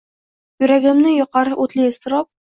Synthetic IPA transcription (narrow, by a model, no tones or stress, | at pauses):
jɵ̆ɾæɡɘ̆mnɘjŏqɑɾɤʔut̪lijɘ̆st̪̆ɾɑp̚